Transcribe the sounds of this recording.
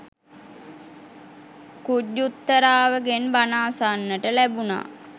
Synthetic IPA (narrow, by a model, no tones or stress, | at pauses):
kuɟːut̪ːəɾaːʋəɡenbanaːsanːəʈəlæbuna̰ː